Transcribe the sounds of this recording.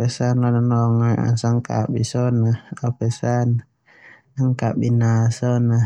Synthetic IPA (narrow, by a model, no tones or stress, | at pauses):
pɛsanɔnanɔŋaa̰nsaŋka̰ɓisɔnaapɛsana | aŋkaɓinasɔna